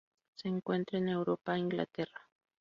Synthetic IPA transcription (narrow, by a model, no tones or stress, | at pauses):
seːŋkwe̞nt̪ɾene̞wɾopaiŋɡla̰t̪era